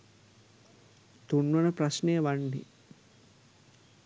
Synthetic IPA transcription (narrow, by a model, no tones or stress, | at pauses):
t̪unːənəprasnejəʋanːḭ